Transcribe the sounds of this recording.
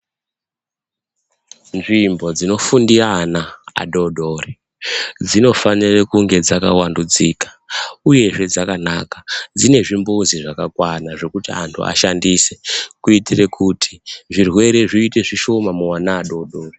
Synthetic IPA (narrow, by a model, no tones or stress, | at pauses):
nʐimbo̞d͡zino̞fundianaa̰ɗoɗori | d͡zino̞fanirekuŋɡe̞d͡zakawandud͡ziːkḁ | uje̞ʐe̞d͡zakanaːkad͡zine̞ʐimbuziʐakakwanaʐe̞kutia̰ntʰṵʔa̰ʃandiːse̥kuitirekutʰi̥ʐirwe̞ɾe̞ʐiite̞ʐiʃo̞mamuwanaːɗo̞ɗoːri